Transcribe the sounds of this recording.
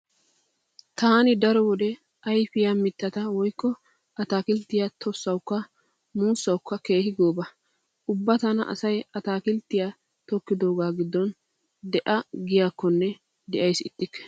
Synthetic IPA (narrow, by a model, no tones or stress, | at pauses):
t̪aːnɪd̪ɐɾɔwɔd̪ɛ | ɐjfɪjamɪt̪ːɐt̪ɐwɔjkːɔ | ʔɐt̪aːkɪlt̪ːɪjat̪ʰɔsːɐwʊkːɐ | muːsːɐwʊkːɐke̞ːhɪɡo̞ːbɐ | ʊbːɐt̪ɐnɐ̰ʔɐ̰sɐjɐt̪aːkɪlt̪ːɪja | t̪ɔkːɪd̪o̞ːɡaːɡɪd̪ːɔn | d̪ɛʔɐɡɪjaːkːɔnːɛ | d̪ɛʔɐjsɪt̪ʼːɪkːɛ̥